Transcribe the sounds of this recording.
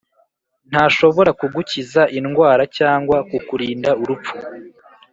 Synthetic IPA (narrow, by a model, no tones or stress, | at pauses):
n̥haːʃo̞βo̞ɾakuɡucizaʔinɡwaːɾacaːŋɡwakukuɾiːndauɾup͡fu̥